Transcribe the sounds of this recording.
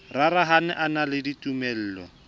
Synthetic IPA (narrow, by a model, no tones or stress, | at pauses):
raraɦanɛʔanalɪditumɛl̩ːlɔ̰